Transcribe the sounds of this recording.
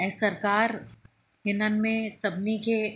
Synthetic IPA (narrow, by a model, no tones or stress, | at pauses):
ɛsɐɾkaːɾ | ɦɪnənmẽsɐbnike